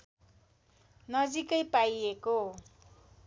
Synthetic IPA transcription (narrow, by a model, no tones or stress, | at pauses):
nʌd͡zikʌjpajeko